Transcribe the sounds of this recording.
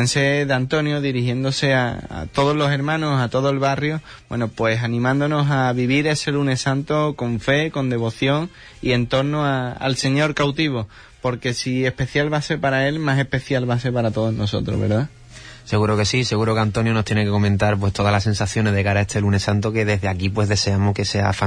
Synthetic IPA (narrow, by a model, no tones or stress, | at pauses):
enseðant̪o̞njoðiɾihje̞nd̪o̞se̞a̰a̰t̪o̞ð̞ozlose̞ɾmãnosat̪o̞ðoe̞lβarjo | bwe̞̰nopwe̞sanĩmãnd̪ono̞saβiβiɾe̞se̞lune̞sant̪oko̞ɱfe̞ko̞nd̪e̞βo̞θjo̞ŋ | ie̞nt̪o̞ɾnoaa̰lse̞ɲo̞ɾkawt̪iβ̞o | po̞ɾke̞sie̞hpe̞θjalβase̞ɾpaɾae̞lmase̞hpe̞θjalβas̬e̞ɾpaɾat̪o̞ðono̞so̞̰t̪ɾo̰βeɾða | se̞ɣuɾoke̞sise̞ɣuɾo̞keant̪o̞njonot̪jenekeko̞mẽnt̪aɾp̬we̞st̪o̞ðalas̬e̞nsaθjo̞neðekaɾae̞st̪ʰe̞lune̞sant̪oke̞ðe̞zðeakipwe̞zðe̞se̞amohke̞se̞a̰fa